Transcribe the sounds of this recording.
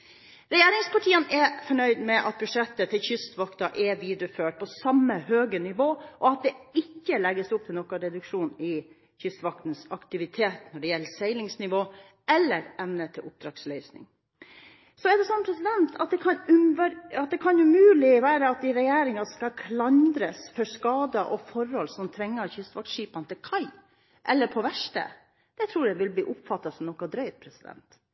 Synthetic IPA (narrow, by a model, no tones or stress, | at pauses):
ɾɛjeːɾɪŋspɑʈʰiːənɛfɔɳœʏd̪mɛʔɑt̪̚bʉʂɛt̪ːət̪ʰɪlçʏst̪ʋɑkt̪ɑʔɛʋiːd̪ɾəføːʈ̚pʰɔsɑmːəhøːɡənɪʋoːʔɔɑt̪̚d̪ɛɪkːəlɛɡːəsʊpt̪ʰɪlnɔkɑɾɛd̪ʉkʂuːnɪ | çʏst̪ʋɑk̚t̪n̩sɑkt̪ɪʋɪt̪ʰeːt̪nɔɖɛjɛlːəsæɪlɪŋsnɪʋoː | ɛlːəɾɛmnət̪ʰɪlʊp̚d̪ɾɑːɡslœʏsnɪ̰ŋ | sɔɛɖɛsɔnːpʰɾɛsɪd̪ɛnt̪ʰɑt̪̚d̪ɛkʰɑnʉʋɑt̪̚d̪ɛkʰɑnʉmʉːlɪʋæːɾəɑt̪̚d̪ɪɾɛjeːɾɪŋɑskɑkʰlɑnd̪ɾəsfɔskɑːd̪əʔɔfɔɾhɔlsɔmt̪ʰɾɛŋːəɾçʏst̪ʋɑk̚t̪ʂiːpɑnt̪ʰɪlkʰɑɪ | ʔɛlːəɾpʰɔʋæʂʈə̰ | d̪̥ɛt̪ʰɾuːɾjæʋɪlbliːʔʊpfɑt̪ːɑsɔmnɔkːɑd̪ɾœʏt̪̚pʰɾɛsɪd̪ɛ̰nt̪